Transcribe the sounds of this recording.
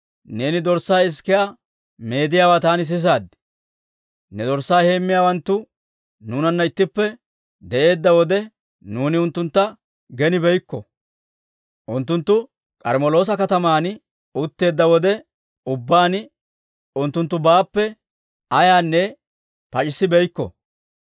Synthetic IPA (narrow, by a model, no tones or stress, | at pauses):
ne̞ːnɪd̪ɔɾsːaːɪskːɪjaː | me̞ːd̪ɪjaːwaːt̪aːnɪs̬ɪs̬aːd̪ɪ | nɛd̪ɔɾsːaːhe̞ːmːɪjaːwɐnt̪ːʊ | nuːnɐnːɐɪt̪ːɪpːɛ | d̪ɛʔe̞ːd̪ːɐwɔd̪ɛ | nuːnɪʊnt̪ːʊnt̪ːɐ | ɡɛnɪbɛjkːɔ | ʔʊnt̪ːʊnt̪ːʊ | kʼɐɾmɔlo̞ːs̬ɐkɐt̪ɐmaːn | ʊt̪ːe̞ːd̪ːɐwɔd̪ɛ | ʊbːaːn | ʊnt̪ːʊnt̪ːʊbaːpːɛ | ɐjaːnːɛ | pɐt͡ʃʼɪsːɪbɛjkːɔ̰